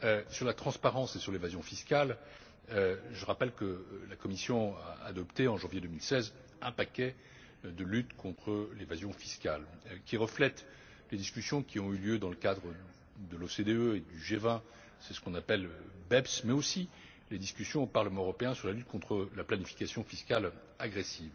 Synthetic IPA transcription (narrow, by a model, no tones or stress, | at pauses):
øsyʁlat̪χɑ̃spaʁɑ̃sesyʁlevazjɔ̃fiskʲal | ʒəʁapɛlkəlakɔmisjɔ̃aːd̪ɔpt̪eɑ̃ʒɑ̃vjed̪əmilsɛz | ɛ̃pakʲɛ | d̪əlyt̪kʰɔ̃t̪χəlevazjɔ̃fiskalkʲiʁəflɛt̪ | led̪iskʲysjɔ̃kʲiɔ̃yljød̪ɑ̃ləkad̪ʁə | d̪əlosed̪eøed̪yʒevɛ̃ | sɛsə̥kɔ̃napɛlbɛbsmɛosi | led̪iskʲysjɔ̃opaʁləmɑ̃øʁɔpeɛ̃syʁlalyt̪̚kʰɔ̃t̪χəlaplanifi̥kasjɔ̃fiskʲal | aɡʁesiv